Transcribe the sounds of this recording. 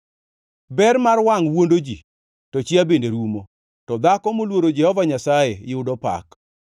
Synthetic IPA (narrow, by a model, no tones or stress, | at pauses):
bɛɾmarwaŋwondod͡ʒi | tɔt͡ʃjabendeɾumo | tɔd̪akɔmolwoɾod͡ʒɛhɔvaɲasajejɪʊdɔpa̰k